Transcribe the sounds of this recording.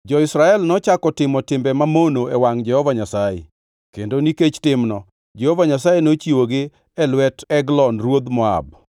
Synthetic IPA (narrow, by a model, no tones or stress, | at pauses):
d͡ʒɔɪsɾaɛlnɔt͡ʃakɔtɪmɔtɪmbɛmamonoɛwaŋd͡ʒɛhɔvaɲasajḛ | kendoniket͡ʃtɪmnɔ | d͡ʒɛhovaɲasajenot͡ʃiwoɡɪ | ɛlwɛtɛɡlɔnrwod̪mɔa̰b